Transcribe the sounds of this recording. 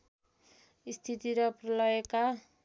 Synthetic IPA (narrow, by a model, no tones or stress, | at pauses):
ist̪ʰit̪iɾʌprʌlʌjeka